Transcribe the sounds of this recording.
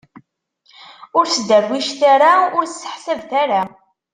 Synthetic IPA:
ʊɾsd̪ævwːiʃθaɾaʊɾssːə̥ħsəvθaɾa

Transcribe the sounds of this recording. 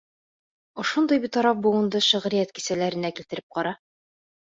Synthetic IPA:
ŏʃond̪ɤjbit̪ɒɾɑf̚buŭnd̪ɤʃɤ̆ʁɾɘjæt̪ki̥sælæɾɘ̆nækilt̪ɘ̆ɾɘp̚qɒɾɑ

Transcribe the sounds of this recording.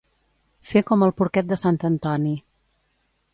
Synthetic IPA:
fekɔməlˠpuɾkɛt̪̚d̪əsant̪ənt̪ɔni

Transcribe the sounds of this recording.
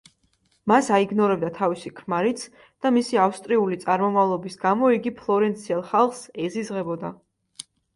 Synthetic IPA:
masaiɡnɔɾɛb̚d̪at̪ʰavisikʰmaɾit̪sʰ | d̪̥amisiafst̪ʼɾiulit̪sʼaɾmɔmavlˠɔbisɡamɔiɡipʰlˠɔɾɛnt̪sʰiɛlˠχalˠχsɛzizʁɛbɔd̪a

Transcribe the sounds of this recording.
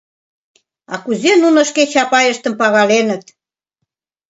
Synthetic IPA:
ɑkuzenunə̆ʃket͡ɕɑpɑjəʃt̪ə̆mpɑɣɑlenət̪̚

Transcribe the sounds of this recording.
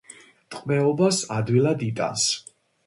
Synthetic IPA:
t̪ʼqʼmɛɔbasad̪wilad̪it̪ʼa̰ns

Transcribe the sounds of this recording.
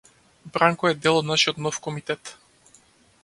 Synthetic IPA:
bɾaŋkɔɛd̪ɛlˠɔd̪naʃijɔt̪nɔfkɔmit̪ɛt̪

